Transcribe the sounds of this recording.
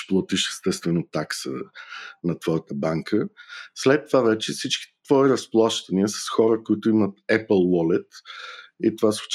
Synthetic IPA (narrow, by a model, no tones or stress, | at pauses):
plˠɔt̪iʃɛ̥st̪ɛst̪vɛnot̪aksənɐt̪vɔjət̪əbaŋkʰəslɛt̪ːovavɛt͡ʃɛfsit͡ʃki̥t̪v̥ɔiɾəsplˠaʃt̪ɐniəsɐ̥sxɔɾəkoit̪ʊimət̪ɛpəlˠwɔlɛt̪ | it̪ovasot͡ʃ